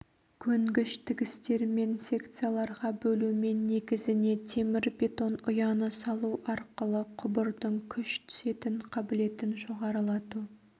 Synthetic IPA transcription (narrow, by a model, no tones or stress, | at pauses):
kʲʰɵŋɡʲɪʃt̪ʰɪɡʲɪst̪e̞ɾme̞nsʲe̞kt̪sɨijalˠɑɾʁɑbɵlume̞nːe̞ɡʲɪzɪne̞t̪ʰe̞mɪɾbʲe̞t̪o̞nʊjɑnəsɑlˠuʔɑɾqəlˠəqʰʊbəɾd̪əɴkʲʰʏʃt̪ʰʏ̥se̞t̪ɪɴqʰɑbɪle̞t̪ɪnʒo̞ʁɑɾəlˠɑt̪u